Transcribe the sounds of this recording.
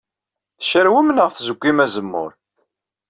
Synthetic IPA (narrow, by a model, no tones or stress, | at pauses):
θʃəɾwimnəʁθzəɡʷːimæzəmːʊ̰ɾ